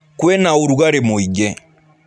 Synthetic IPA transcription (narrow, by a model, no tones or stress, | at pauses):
kwɛnauɾuɣaɾemoiɡɛ